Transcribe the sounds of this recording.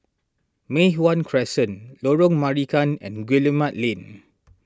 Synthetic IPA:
meɦwãnkʰɹɛsə̃nloɹɔ̃ŋmaɹikãnɛ̰̃nɡwiləmãt̚lẽn

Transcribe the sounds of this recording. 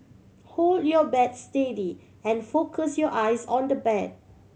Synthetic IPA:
holdjɔbɛdstedi | ɛ̃nfokʰəsjɔʔajsɔ̃ndəbɛd̚

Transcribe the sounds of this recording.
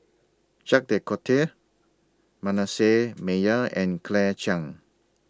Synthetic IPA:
t͡ʃak̚dekʰɔtʰe | manasemejəɛ̃nkʰlɛt͡ʃãŋ

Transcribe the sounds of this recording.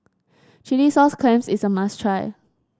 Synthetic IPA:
t͡ʃilisɔskʰlẽmsɪsəmastʰɹaɪ

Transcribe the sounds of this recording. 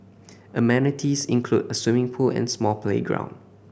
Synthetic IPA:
ʔəmɛ̃nɪtʰisɪ̰̃nkʰludəswɪmɪ̃ŋpʰulɛ̰̃nsmɔlpʰlḛɡɹã̰ʊ̃n

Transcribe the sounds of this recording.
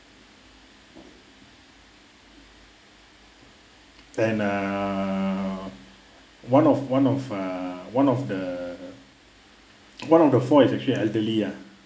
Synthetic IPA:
ɛ̃na | wãnɔfwãnɔfawãnɔfdə | wãnɔfdəfɔisɛk̚t͡ʃəliɛldəlia

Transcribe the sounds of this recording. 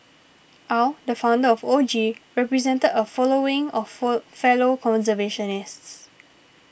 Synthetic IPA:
ʔawdəfãʊ̃ndəɔfod͡ʒiɹɛpɹizɛ̃ntədəfɔloɪ̃ŋɔffɛlokʰɔ̃nsəveʃɔ̃nɪsts

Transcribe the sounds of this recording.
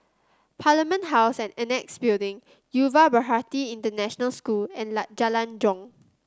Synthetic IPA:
pʰalimə̃nʔɦaʊsɛ̃nɛnɛksbildĩŋ | juvabəɦatiĩntənɛʃənəlskulɛ̃nlad͡ʒalãnd͡ʒɔ̃ŋ

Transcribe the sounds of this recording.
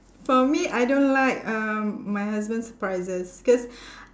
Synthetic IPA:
fɔmiʔajdõnlaɪkʌ̃majɦas̬bə̃nsəpɹaɪzəsikɔs

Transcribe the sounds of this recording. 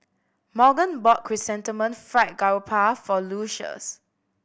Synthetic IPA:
mɔɡə̃nbɔt̚kʰɹisɛ̃ntəmə̃nfɹat̚ɡaɹupʰafɔluʃə̰s

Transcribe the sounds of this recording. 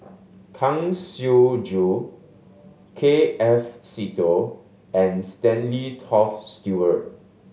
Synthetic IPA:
kʰãŋsjud͡ʒu | kʰeɛfsito | ɛ̃nstɛ̃nlitʰɔfstjuət̚

